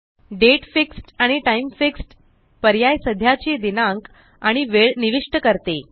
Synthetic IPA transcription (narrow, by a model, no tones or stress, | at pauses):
ɖeʈfiksʈaɽ̃iʈaimfiksʈ | pəɾjajsəd̪ʱjat͡ɕed̪inãŋk | aɽ̃iʋeɭniʋiʂʈəkəɾt̪e